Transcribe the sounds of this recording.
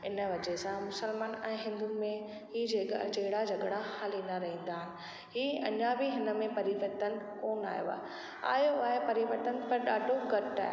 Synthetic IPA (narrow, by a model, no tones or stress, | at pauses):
ɪnəʋɐd͡ʑesãmʊsəlmaːnɛ̃ːɦɪ̃nd̪umẽ | ɦiːd͡ʑed͡ʑɐɦɪɽad͡ʑɐɠɽahaːlinɐɾɐɦĩːnd̪aːɦɪnɪ̆ | ɦiːɐ̰ɲabʱiɦɪnə̆mẽpɐɾiʋəɾt̪ən̆koːna̰ːjo̰a̰ːɦ | a̰ːjoaːɦepɐɾiʋəɾt̪ənɪpɐɾɗaːɖʱoɡɐʈa̰ːɦ